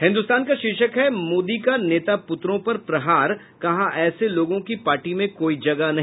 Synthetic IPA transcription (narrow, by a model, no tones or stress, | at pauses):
ɦɪ̃nd̪ʊst̪aːnkaʃɪʃəkɦɛmoːd̪ikaneːt̪apʊt̪ɾõpɐɾpɾɐɦaːɾ | kɐɦãʔɛːseloːɡõkipaːɾʈimẽkoːid͡ʒɐɡanɐɦ